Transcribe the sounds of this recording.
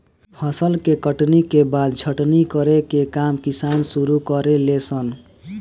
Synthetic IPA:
pʰʌsʌlkekʌʈnikebad̪̚d͡zʰʱʌʈnikʌɾekekamkisansuɾukʌɾelet͡sʰʌn

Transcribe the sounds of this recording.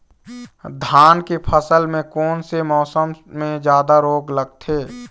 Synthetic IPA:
d̪ʱaːnkepʰəsəlmẽkɔːnsemɔːsəmmẽd͡ʒjaːd̪aɾoːɡləɡ̚t̪ʰeː

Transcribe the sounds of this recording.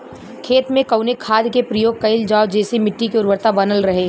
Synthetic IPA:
kʰeːt̪mẽkɐʊnekʰːaːd̪kepɾɐjoːɡ̚kɐɪld͡ʒaːod͡ʒeːsemɪʈːikeʊɾwəɾt̪abɐnəlɾɐɦe

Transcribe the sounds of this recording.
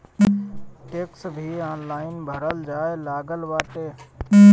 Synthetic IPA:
ʈeːksbʱiːaːnlaːɪnbʱəɾəld͡ʒaːelaːɡəlʋaːʈeː

